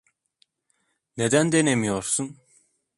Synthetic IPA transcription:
ned̪ænd̪enemijoɾsun

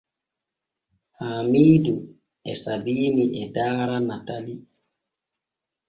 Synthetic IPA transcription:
hamiːdu | ɛ̰sabiːniʔɛdaːɾanatali

